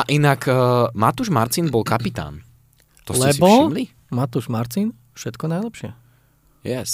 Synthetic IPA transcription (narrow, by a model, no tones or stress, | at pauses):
aʔinakːmat̪uʒmaɾt͡sinbɔlkapit̪a̰ːn | t̪ɔslɛsbɔmli | mat̪uʒmaɾt͡sin | fʃɛt̪kɔnajlɛpʃɪɛ | jɛs